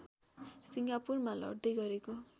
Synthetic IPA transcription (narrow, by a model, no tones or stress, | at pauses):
siŋɡapurmalʌ̰ɽd̪ʌjɡʌɾeko